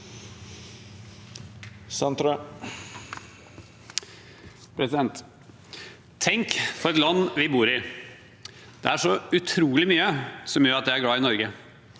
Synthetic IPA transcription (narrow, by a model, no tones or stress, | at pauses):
sɑnt̪ɾ | pʰɾɛsɪd̪ɛnt̪ | t̪ʰːɛŋkfɔɾɛt̪lɑnːʋɪbuːɾɪ | d̪̥ɛ̰æʂɔʉt̪ʰɾuːlɪmyːəsɔmjøːɾɑt̪d̪ɛæɾɡɽɑːɪnɔɾɡə